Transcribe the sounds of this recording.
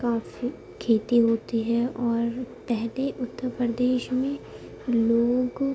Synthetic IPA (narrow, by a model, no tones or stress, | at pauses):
kaːfi | kʰeːt̪iɦoːt̪iɦɛɔːɾpɛɦleʔʊt̪ːəɾpɾəd̪eːʃmẽ | loːɡ